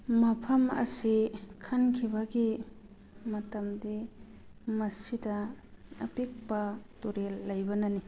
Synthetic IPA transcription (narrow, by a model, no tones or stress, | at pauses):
mɐpʰɐmɐ̰sikʰɐnkʰibɐɡi | mɐtɐmdi | mɐsidɐ | ɐpik̚pɐtuɾelːɐjbɐnɐni